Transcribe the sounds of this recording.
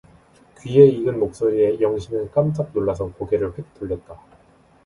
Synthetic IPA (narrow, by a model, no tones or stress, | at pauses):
kɥie̞iɡɯnmok̚s͈oɾie̞jʌŋɕʰimɯnk͈amt͡ɕ͈ap̚noɭːasʰʌkoɡe̞ɾɯɭɸwe̞k̚t͈oʎːʌt̚t͈a